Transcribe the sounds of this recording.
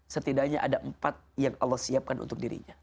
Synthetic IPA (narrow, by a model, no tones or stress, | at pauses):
sət̪idaɲaʔadaʔəmpat̪̚jaŋɑlːɔhsiap̚kanʔṵnt̪ʊk̚diɾḭɲa